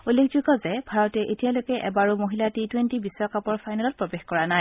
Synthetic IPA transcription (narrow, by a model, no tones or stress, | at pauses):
ulːekʰzuɡɔzɛbʱaɹɔtɛʔetijalojkɛʔɛbaɹumoɦilatitwentibisɹɔkapɔɹfʰajnalɔt̚pɹobexkɔɹanaj